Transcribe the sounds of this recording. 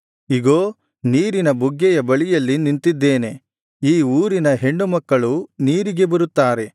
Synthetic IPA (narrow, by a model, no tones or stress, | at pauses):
iɡoː | niːɾinɐbuɡːɛjɐbɐɭijɐlːinint̪id̪ːe̞ːne̞ | iːuːɾinɐɦe̞ɳːumɐkːɐɭuniːɾiɡe̞bɐɾut̪ːaːɾe̞